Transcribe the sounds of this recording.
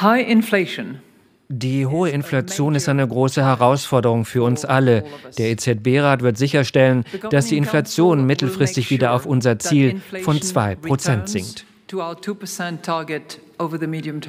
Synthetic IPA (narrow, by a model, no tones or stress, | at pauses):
haɪʔɪ̃nfleɪʃə̃n | d̥iːɦoːəɪnflat͡sjoːnɪstaɪnəɡʁoːsəhɛʁaʊsfɔɐdəʁ̞ʊŋfyːɐʊnsʔaləd̥eːɐeːt͡sɛt̚b̥eːʁaːtv̥ɪɐtz̥ɪçɐʃtɛlənd̥asd̥iːɪnflat͡sjoːnmɪtl̩fʁ̥ɪstɪçv̥iːdɐaʊfʔʊnzɐt͡siːlfɔnt͡sv̥aɪpʁ̥ot͡sɛntz̥ɪŋkt | tʰəaʊətʰupə˞sɛ̃ntʰːɑɹɡɨtoʊvə˞ðəmiɾiɨ̃mtʰ